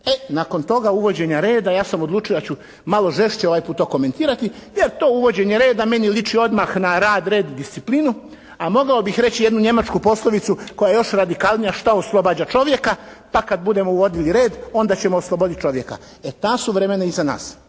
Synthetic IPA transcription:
e̞nako̞nt̪o̞ɡauʋo̞d͡ʑe̞ɲaɾe̞ːd̪ajaːsamo̞d̪lˠuːt͡ʃijod̪at͡ɕu | malˠo̞ʒe̞ʃt͡ɕeo̞ʋaːjpuːt̪ːoko̞me̞nt̪iːɾat̪ijeɾt̪o̞ːuʋo̞d͡ʑe̞ɲe̞ɾe̞ːd̪ame̞nilit͡ʂio̞d̪maxnaɾaːd̪ɾe̞ːd̪d̪ist̪iplinu | amo̞ɡaobixɾe̞t͡ɕijed̪nuɲe̞mat͡ʃkupo̞slˠoʋit̪suko̞jaejo̞ʃɾad̪ikalˠnijaʃt̪aoslˠo̞baːd͡ʑat͡ʃo̞ʋje̞kapakad̪bud̪e̞mouʋo̞d̪iliɾe̞ːd̪o̞nd̪at͡ɕe̞moːslˠobo̞d̪it̪̚t͡ʃo̞ʋje̞ka̰ | et̪aːsuʋɾemenaizana̰ːs

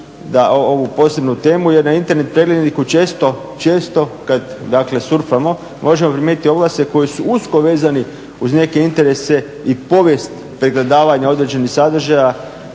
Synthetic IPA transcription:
d̪aʔoo̞ʋupo̞se̞bnut̪e̞ːmuje̞ɾnaint̪e̞ɾne̞t̪̚pɾe̞ɡle̞d̪nikut͡ʃe̞ːst̪o̞ | t͡ʃe̞ːst̪o̞kad̪d̪akle̞suɾfamo̞ | mʔo̞ʒemo̞pɾimet̪it̪ʲio̞ɡlase̞ko̞jisuusko̞ʋe̞ːzani | uzne̞ke̞int̪e̞ɾe̞se̞ | ipo̞ʋje̞st̪ | pɾeɡled̪aːʋaɲao̞d̪ɾed͡ʑe̞nixsad̪r̩ʒaja

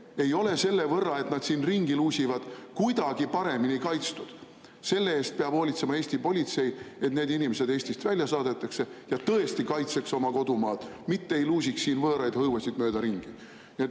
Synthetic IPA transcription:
e̞jo̞le̞se̞lːe̞vɤrːɑe̞t̪nɑd̪̥siːnriŋɡiluːsivɑd̪̥kujd̪̥ɑɡ̥ipɑɾe̞miniejkɑjt̪st̪ud̪̥ | se̞lːe̞e̞ːst̪̚peɑb̥ho̞ːlʲit̪se̞mɑe̞ːsʲt̪ipo̞lʲit̪se̞je̞t̪ne̞ːd̪inʲimese̞d̪e̞ːsʲt̪ist̪vælʲjɑsɑːd̪e̞t̪ːˑɑkse̞jɑt̪ɤe̞st̪ikɑjt̪se̞kso̞mɑko̞d̪umɑːd̪̥mit̪ːeejluːs̬ʲiksːiːnvɤːɾɑjd̪̥hɤwvɑsid̪møːd̪ɑɾiŋɡ̥i | niet̪

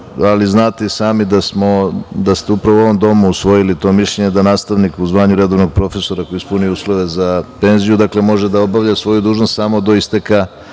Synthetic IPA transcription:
aliznaːt̪esaːmid̪asmo̞d̪ast̪eupɾaʋoo̞ʋo̞md̪o̞muusʋo̞jilit̪o̞ːmiʃʎe̞ɲe̞d̪anaːst̪aʋnikuzʋaːɲuɾe̞d̪o̞ʋnoɡ̚pɾo̞fe̞so̞ɾakojispuniuːslˠo̞ʋe̞zape̞nzijud̪akle̞mo̞ʒe̞d̪ao̞baʋʎasʋo̞jud̪uːʒnost̪saːmo̞d̪o̞ist̪e̞ka

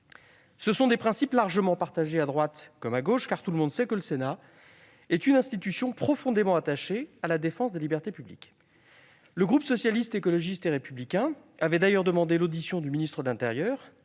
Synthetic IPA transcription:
səsɔ̃d̪epχɛ̃siplaʁʒəmɑ̃paʁt̪aʒead̪ʁwat̪kɔmaɡoʃkaʁt̪uləmɔ̃d̪sɛkələsena | ɛt̪ynɛ̃st̪it̪ysjɔ̃pχɔfɔ̃d̪emɑ̃at̪aʃealad̪efɑ̃sd̪elibɛʁt̪epyblḭk | ləɡʁupsɔsjalist̪ekɔlɔʒist̪eʁepyblikʲɛ̃ | avɛd̪ajœʁd̪əmɑ̃d̪elod̪isjɔ̃d̪yminist̪χəd̪əlɛ̃t̪eʁjœːʁ

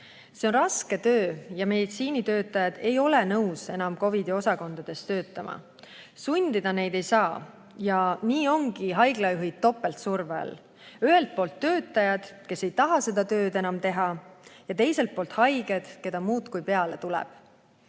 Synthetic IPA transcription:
se̞o̞nrɑske̞t̪ø̞ːjɑme̞d̪it̪siːnit̪ø̞ːt̪ːˑɑjɑd̪̥e̞jo̞lenɤwse̞nɑmko̞vid̪io̞sɑko̞nd̪̥ɑd̪̥e̞st̪ø̞ːt̪ːˑɑmʔɑ̰ | sunʲd̪̥id̪̥ɑne̞jd̪e̞jsɑː | jɑniːo̞ŋɡ̥iɦɑjɡ̥lɑjuɦid̚t̪ːo̞pːˑe̞lt̪survḛɑ̰l | yɦe̞lt̪̚po̞ːlt̪ːø̞ːt̪ːˑɑjɑd̪̥ke̞se̞jt̪ɑɦɑse̞d̪̥ɑt̪ø̞ːd̪e̞nɑmt̪e̞ɦɑjɑt̪e̞jse̞lt̪̚po̞ːlt̪ˑhɑjɡ̥e̞d̪̥ke̞d̪̥ɑmuːd̪̥kujpe̞ɑle̞t̪ulɛ̰b̥

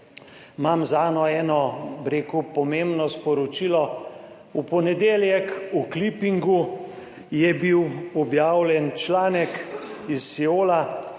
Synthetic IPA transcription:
mamzaːnɔɛːnɔbɾeːkupɔmembnɔspɔɾɔt͡ʃilɔ | upɔnɛd̪eːljɛkuklipiŋɡu | jɛbiwɔbjaːwlʲɛnt͡ʃlaːnɛkisːioːla

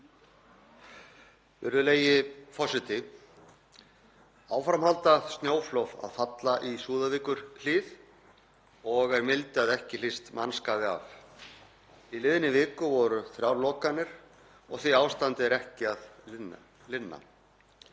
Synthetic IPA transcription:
vɪ̰ɾðʏleːjɪfɔsɪt̪ɪ | aːwfɾamhalt̪ast̪njoːwflɔva̰ðfat̪laʔisuːðaviːkʏɾ̥l̥ɪːð | ɔɣɛɾmɪlt̪ɪaðɛhcɪlɪst̪manskaːðɪa̰v | ilɪðɪnɪvɪːkʏvɔɾʏθɾjawɾlɔːkanːɪɾ̥ | ɔɣθiaːwst̪ant̪ɪɛɾɛhcɪaðn | lɪnːa̰

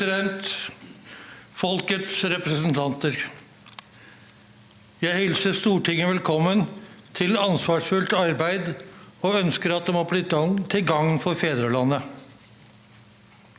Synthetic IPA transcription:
d̪ɛnt̪ | fɔlkət̪sɾɛpɾəsnt̪ʰɑnt̪əɾ | jæɪhɛlsəst̪uːʈʰɪŋːəʋɛlkʰɔmːənt̪ʰɪlɑnsʋɑːʂfʉlt̪ɑɾbæɪd̪oːœnskəɾɑt̪̚d̪ɛmoːblɪt̪ɡɑŋt̪ʰɪlɡɑŋfɔɾfeːd̪ɾəlɑnːə

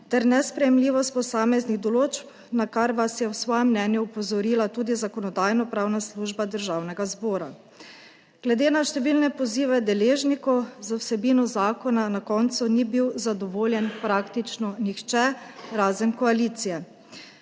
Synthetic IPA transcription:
t̪ɛɾnɛspɾɛjɛmliːʋɔst̪̚pɔsaːmɛzniɣd̪ɔloːt͡ʃp | nakaɾʋasjɛwsʋɔːjɛmːnɛːnjuupɔzɔɾiːlat̪uːd̪izakɔnɔd̪aːjnɔpɾaːwnasluːʒbad̪əɾʒaːwnɛɡazbɔːɾa̰ | ɡ̥lɛd̪eːnaʃt̪ɛʋilnɛpɔziːʋɛd̪ɛleːʒnikɔwzawsɛbiːnɔzaːkɔnanakɔːnt̪sunibiwzad̪ɔʋoːljɛnpɾaːkt̪it͡ʃnɔnixt͡ʃɛɾaːzənkɔaliːt̪sijɛ

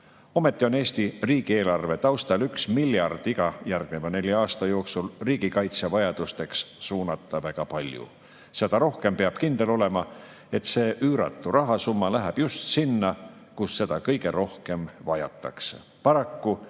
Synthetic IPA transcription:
o̞me̞t̪ːˑio̞ne̞ːst̪iriːɡ̥ie̞ːlɑrve̞t̪ɑwst̪ɑlyksmilʲjɑrd̪̥iɡɑjærɡ̥̚nevɑne̞lʲjɑɑːst̪ɑjo̞ːksulriːɡ̥ikɑjt̪sevɑjɑd̪̥ust̪e̞kssuːnɑt̪ːˑɑvæɡ̥ɑpɑlʲjṵ | se̞d̪̥ɑɾo̞hke̞mpeɑb̥kind̪̥e̞lo̞le̞mɑ | e̞t̪se̞ːʔyːɾɑ̰t̪ːˑurɑɦɑsumːɑlæɦæb̥just̪sinːɑ | kusːe̞d̪̥ɑkɤjɡ̥e̞ɾʔo̞hke̞mvɑjɑ̰t̪ːˑɑ̰ksḛ | pɑɾɑkːu

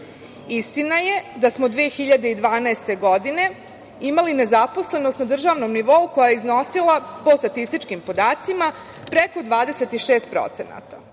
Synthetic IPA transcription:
ist̪inaje̞d̪asmod̪ʋiexiʎad̪e̞id̪ʋaːnaest̪e̞ɡo̞d̪ine̞ | imaline̞zapo̞sle̞no̞st̪nad̪r̩ʒaːʋno̞mniʋo̞uko̞jajeizno̞silˠapo̞st̪at̪ist̪it͡ʃkimpo̞d̪aːt̪sima | pɾe̞ko̞d̪ʋaːd̪eset̪iʃeːst̪̚pɾo̰t̪se̞na̰t̪a

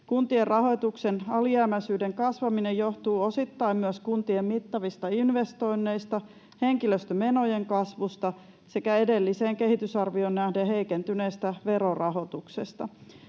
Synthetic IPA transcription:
kunt̪ierrɑɦo̞jt̪uksenɑliæːmæsyːde̞ŋkɑsʋɑminejo̞ht̪uːo̞sit̪ːɑimmyøskunt̪iemmit̪ːɑʋist̪ɑinʋe̞st̪o̞inːe̞ijst̪ɑ | he̞ŋkiløst̪øme̞no̞je̞ŋkɑsʋust̪ɑ | se̞kæe̞de̞lːiseːŋke̞ɦit̪ysɑrʋio̞nːnæhdeɦe̞ikent̪yne̞ːst̪æʋe̞ɾo̞rɑɦo̞t̪ukse̞st̪ɑ̰

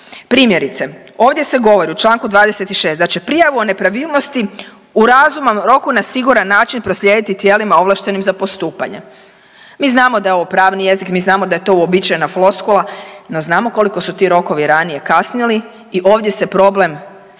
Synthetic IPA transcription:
pɾiːmje̞ɾit̪se̞ | o̞ːʋd̪ʲje̞se̞ɡo̞ʋo̞ɾiut͡ʃlˠaːŋkud̪ʋaːd̪ese̞t̪iʃe̞ːsd̪at͡ʃe̞pɾijaʋuone̞pɾaʋiːlˠno̞st̪i | uɾazumamɾo̞kunasiɡuɾanːaːt͡ʃinpɾo̞slʎjed̪it̪it̪je̞limao̞ʋlˠaʃt̪e̞nimzapo̞st̪uːpa̰ɲe̞̰ | miːznaːmo̞d̪ajeoʋopɾaːʋnije̞zikmiːznaːmod̪aje̞t̪o̞uobit͡ʃajenaflˠo̞skolˠano̞znaːmo̞ko̞liko̞sut̪iɾo̞ko̞ʋiɾanije̞kasniliː | ʔo̞ːʋd̪je̞se̞pɾo̞ble̞m

